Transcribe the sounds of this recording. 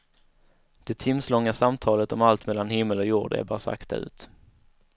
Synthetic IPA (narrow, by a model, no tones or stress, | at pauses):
d̪̥ɛt̪ʰɪmslɔŋːasamt̪ʰɑːlət̪ɔmalt̪mɛlːanhɪmːəlɔjuːɖɛ̰bɑ̰ːsa̰kt̪a̰ʉ̟̰ːt̪